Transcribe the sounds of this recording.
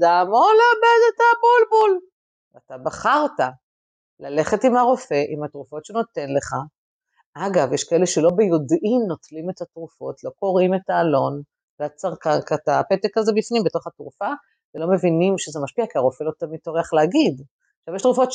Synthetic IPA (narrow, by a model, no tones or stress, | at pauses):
damoʁleabedetabulbul | veatabaχaʁta | lale̞χetimhaʁo̞fe̞ʔimhatʁufo̞tʃeno̞te̞nle̞χa | ʔaɡavjeʃkaeleʃe̞lo̞bejo̞dimno̞tlime̞tatʁufo̞tlo̞ko̞ʁime̞taːlo̞n | veat͡saʁkankataːpet̪ekazebifnimbeto̞χatʁufa | velo̞me̞vinimʃezemaʃpiakiaʁo̞fe̞lo̞t̪amit̪o̞ʁeaχleaɡid | ʃavjeʃtʁufo̞t